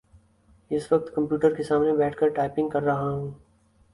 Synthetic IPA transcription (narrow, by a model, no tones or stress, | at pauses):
ɪsʋɐk̚t̪kɐ̃mpjuːʈəɾkesaːmnebɛːʈʰkɐɾʈaːɪpɪ̃ŋɡ̚kɐɾːɐɦaɦũː